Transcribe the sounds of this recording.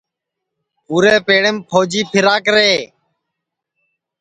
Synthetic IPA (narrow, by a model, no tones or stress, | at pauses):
puːɾeːpeːɽeːmpʰoːd͡ʒiːpʰɪɾaːkɾeː